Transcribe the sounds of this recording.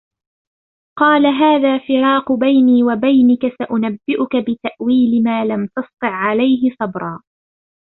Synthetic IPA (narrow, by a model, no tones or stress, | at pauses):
qɑːlaɦaːðaːfɪɾɑːqbajniːwabajnɪkasaʔʊnabːɪʔʊkabɪt̪aʔwiːlɪmaːlamt̪ɑst̪ˤɨʕʕalajɦɪsˤɑbɾˤɑː